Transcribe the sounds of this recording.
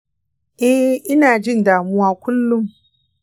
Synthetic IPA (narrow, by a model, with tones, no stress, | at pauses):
ʔɛ˦ʔɪ˦naː˨d͡ʒɪ˦ndaː˨mu˦waː˦kʷʊ˦lːʊ˦m